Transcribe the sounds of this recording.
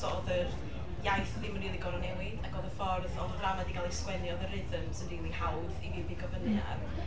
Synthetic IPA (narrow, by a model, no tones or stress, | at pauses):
ɔðər | jajθðiməniːlˠiɡɔɾɔnɛwiaɡoːðəfɔrðɔɡramadiɡalˠeswɛnjɔðəɾɪðəmsəndiːlˠihawðiviðiɡɔvənja̰